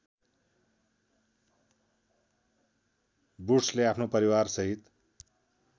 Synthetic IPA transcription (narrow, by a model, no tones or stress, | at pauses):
buʈsleapʰnopʌɾiwarsʌɦit̪